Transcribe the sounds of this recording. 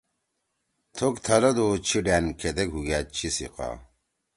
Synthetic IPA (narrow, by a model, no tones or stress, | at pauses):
t̪ʰokt̪ʰɐlɐd̪ot͡ɕʰiɖæːnkʰed̪ɐkɦuɡaːt͡ɕʰisḭqa̰ː